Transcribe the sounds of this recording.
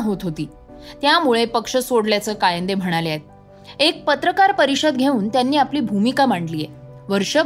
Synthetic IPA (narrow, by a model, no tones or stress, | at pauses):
ɦot̪ɦot̪iː | t̪jamuɭepəkʂəsoɽljat͡səːkajənd̪em̤əɽ̃alaet̪̚ | ek̚pət̪ɾəkaɾpəɾiɕəd̪ɡʱeuːnt̪janːiːapliːbʱumikam̤aɳʈliːjeʋəɾʂə